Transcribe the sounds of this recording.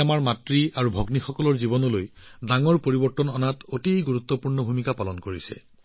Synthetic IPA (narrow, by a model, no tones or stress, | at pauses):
amaɹmatɹiaɹubʱɔɡnixɔkɔlɔɹzibɔnɔlojdaŋɔɹpoɹibɔɹtɔnɔnatotijɡuɹut̪ːɔpuɹnɔbʱumikapalɔnkoɹisɛ̰